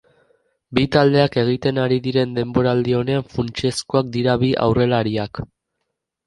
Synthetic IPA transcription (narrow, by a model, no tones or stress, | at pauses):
bit̪ald̪e̞ake̞ɣ̞it̪e̞naɾiðiɾe̞nd̪e̞mbo̞ɾaːld̪io̞ne̞aɱfunt͡ʃe̞skoak̚d̪iɾaβiʔa̰wre̞laɾiak